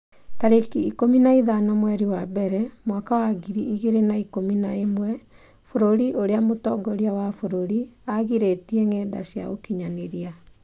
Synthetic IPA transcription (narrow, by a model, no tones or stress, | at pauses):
taɾekiikominaiðanɔmwɛɾiwabɛɾɛmwakawaɡiɾiʔiɣeɾenaikominaemwɛ | foɾoɾiʔoɾeamotɔɡɔɾiawafoɾoɾiaɣiɾetiɛŋɛːda̰sja̰ɣo̰kiɲaneɾia